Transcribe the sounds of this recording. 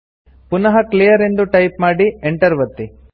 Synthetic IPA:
punɐɦɐklijɐɾe̞nd̪uʈɐjpmaːɽieɳʈɐɾʋɐt̪ːi

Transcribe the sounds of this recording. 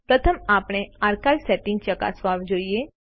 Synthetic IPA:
pɾət̪ʰəmaːpɽ̃eaɾkaːlsɛʈɪ̃ŋɡ̚t͡ʃəka̰sʋaʋd͡ʒoːie

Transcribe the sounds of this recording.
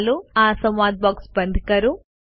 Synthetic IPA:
luaːsɐmaːd̪̚baːkspɐnd̪ʱikɐɾu

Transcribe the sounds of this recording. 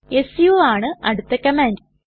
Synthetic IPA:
esjuaːɳɨɐɽut̪ːɐkːɐmaːnd

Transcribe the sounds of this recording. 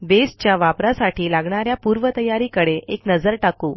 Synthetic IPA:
b̪est͡ɕjaʋapɾasaʈʰiːlaɡɳaɾjapuɾʋət̪əjaɾiːkəɽeeknəd͡zəɾʈakuː

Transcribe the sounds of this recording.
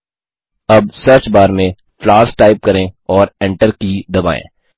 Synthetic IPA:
ɐb̚sɐɾt͡ʃbaːɾmẽ | flaːɾsʈaːɪp̚kɐɾẽɔːɾɛ̃ɳʈəɾkid̪ɐbaːḛ̃ː

